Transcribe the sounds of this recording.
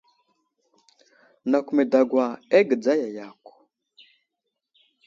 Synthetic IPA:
na˨kʷme˨da˨ɡwa˨e˦ɡə˨d͡za˦ja˨ja˨kʷ

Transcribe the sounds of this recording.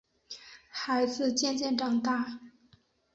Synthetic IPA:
xa˧˥ɪd͡zɹ̩˥˧t͡ɕjɛ˥˧nt͡ɕjɛ˥˧nʈ͡ʂɑ˨˩ŋt̪a˥˨

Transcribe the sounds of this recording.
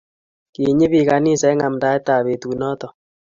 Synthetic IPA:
ki˨ɲi˦βi˨ka˨ni˦sɛ˨˦ŋa˨mda˦e˦ta˨βe˨tu˨nɔ˦t̪ɔ˨

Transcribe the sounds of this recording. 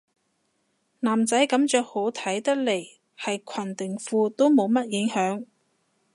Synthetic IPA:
naː˨˩mt͡sɐ˨˥jkɐ˨˥mt͡ʃœː˨˧k̚ho˨˥wt̪ʰɐ˨˥jt̪ɐ˥k̚le˨˩j | hɐ˨jkʷʰɐ˨˩nt̪ɪ˨˩ŋfuː˧t̪o˥wmo˨˧wmɐ˥t̚jɪ˨˥ŋhœː˨˥ŋ

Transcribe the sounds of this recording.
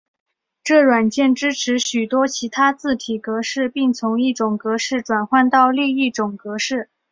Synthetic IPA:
ʈ͡ʂɤ˥˩ɻwa˨˩nt͡ɕjɛ˥˩nʈ͡ʂɻ̩˥ʈ͡ʂʰɻ̩˧˥ɕy˨˩t̪wɔ˥t͡ɕʰi˧˥t̪ʰa˥t͡sɹ̩˥˩t̪ʰi˨˩kɤ˧˥ʂɻ̩˥˧pi˥˩ŋt͡sʰʊ˧˥ŋi˥˩ʈ͡ʂʊ˨˩ŋkɤ˧˥ʂɻ̩˥˩ʈ͡ʂwa˨˩nxwa˥˧nt̪ɑ˥˧ʊli˥˧i˥˩ʈ͡ʂʊ˨˩ŋkɤ˧˥ʂɻ̩˥˩

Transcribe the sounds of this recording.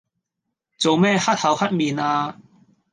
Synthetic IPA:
t͡so˨wmɛː˥˧hɐ˥t̚hɐ˨˧˥whɐ˦˥t̚miː˨˩naː˧

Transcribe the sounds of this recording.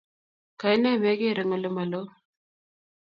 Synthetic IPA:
ka˨i˦nɛ˦˨me˦ɡe˦˨ɾe˨ŋa˨lo˦ma˨lo˦

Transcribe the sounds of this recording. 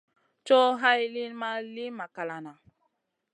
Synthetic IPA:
t͡ʃɔ˦ɦa˦jli˦nma˦li˦ma˨ka˨la˨na˨

